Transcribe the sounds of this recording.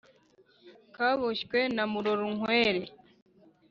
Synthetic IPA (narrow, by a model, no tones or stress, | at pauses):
kaβɔʃkwɛnamuɾɔɾuŋwɛɾe